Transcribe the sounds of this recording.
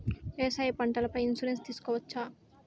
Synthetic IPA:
eːsaːjepɐɳʈɐlɐpɐjinsuɾenst̪iːsu̥kɔːʋɐt͡ʃːaː

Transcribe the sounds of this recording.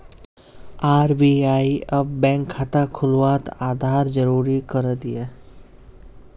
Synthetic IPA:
aːɾbiaːiɐb̚ːɛ̃ːŋkʰːaːt̪akʰʊlwaːt̪aːd̪ʱaːɾd͡ʒəɾuːɾikəɾət̪iɛː

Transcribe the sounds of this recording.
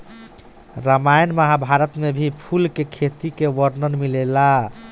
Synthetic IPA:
ɾəmajnməɦabʱaɾət̪mebʱipʰulkekʰet̪ikeʋəɾnənmilela

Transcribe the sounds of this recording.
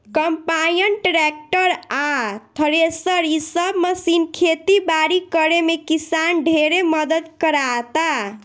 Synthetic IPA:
kəmpajənʈɾek̚ʈəɾat̪ʰəɾesəɾisəbməsinkʰet̪ibaɾikəɾemekisanɖʱeɾeməd̪əd̪kəɾat̪a

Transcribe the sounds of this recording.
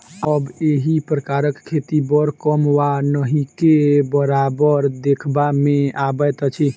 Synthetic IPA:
əbeɦipɾəkaɾəkkʰːet̪ibəɾkəmwanəɦikebəɾabəɾd̪ekʰbamẽabət̪t͡ʃʰi

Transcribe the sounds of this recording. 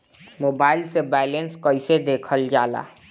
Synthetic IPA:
mobailsebɛlenskəjsed̪ekʰəld͡ʒala̰

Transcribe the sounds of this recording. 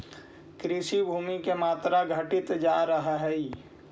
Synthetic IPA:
kɾɪʃibʱuːmikemaːt̪ɾaɡʱəʈɪt̪d͡ʒaːɾəɦaɦɛi

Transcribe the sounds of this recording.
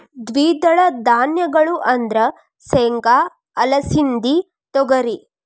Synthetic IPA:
d̪ʋiːd̪ɐɭɐd̪aːnjɐɡɐɭuʔɐnd̪ɾɐ | seːŋka | ɐlɐsind̪i | t̪ɔɡɐɾi

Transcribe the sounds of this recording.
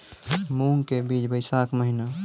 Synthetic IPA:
muːŋkebiːt͡ʃbəɪsaːkməɦɪna

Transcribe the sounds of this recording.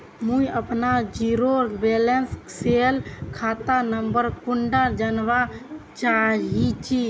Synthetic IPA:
mũiəpnad͡ʒiːɾoɾbeːlənsseːlkʰaːt̪anəmbəɾkʊɳɖəɾd͡ʒənʋat͡ʃaɦit͡ʃi

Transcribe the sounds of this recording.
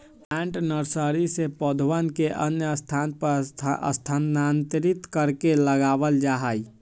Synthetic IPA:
pɛ̃ɳʈnəɾsəɾisepəd̪ʱʋənkeʔənjəəst̪ʰanpəɾə̰st̪ʰənant̪ɾit̪kəɾkeləɡabəld͡ʒaɦəj

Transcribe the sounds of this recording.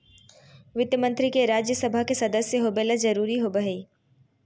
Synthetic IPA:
ʋɪt̪jəmə̃nt̪ɾikeɾaːd͡ʒjəsɐbʱakesɐd̪əsjəɦoːbeːlazɐɾuːɾiɦobəɦeː

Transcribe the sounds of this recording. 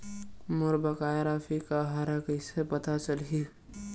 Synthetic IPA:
mʊɾbɐkaːjɾafʰikaɦaɾəkəɪsepɐt̪at͡ʃɐli

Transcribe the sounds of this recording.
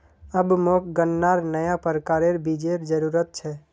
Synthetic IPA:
əbmok̚ɡənːaɾnəjapəɾkaːɾeɾbid͡ʒeɾd͡ʒəɾuːɾət̪̚t͡ʃʰɛ

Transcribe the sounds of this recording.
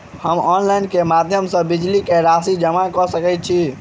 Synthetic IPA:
həmɔnlajnkemad̪ʱjəmsə̃bid͡ʒlikeɾasid͡ʒəmakɔsəkɛt͡ʃʰi

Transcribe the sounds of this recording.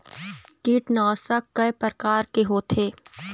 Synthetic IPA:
kiːʈnaːsɐkkːɐepəɾkaːɾkeɦoːt̪ʰeː

